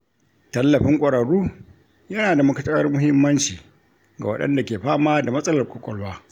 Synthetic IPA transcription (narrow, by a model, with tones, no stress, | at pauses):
tɐ˦lːɐ˨ɸɪ˦ŋkʷʼɐ˨ɾa˨ɽuː˦ | jɐ˦naː˨da˨mʊ˦kɐ˦tʼɐ˦ɐ˦rmʊ˦hɪ˦mːɐ˦nt͡ʃiː˨ | ɡa˨wɐ̰˦ɗɐ̰˦nda˨kʲeː˨ɸaː˦maː˦da˨mɐ˦sʼɐ˦lɐ˨rkʷʼɔ˦kʷʼɔ̰˨lwaː˦